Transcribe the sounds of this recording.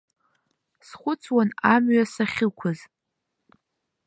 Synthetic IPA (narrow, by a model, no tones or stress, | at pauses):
sχʷʊt͡sʰwanamɥasaχʲɪkʷʰaz